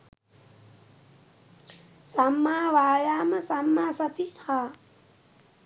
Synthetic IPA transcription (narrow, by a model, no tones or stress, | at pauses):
samːaːʋaːjaːməsamːaːsɐt̪ihaː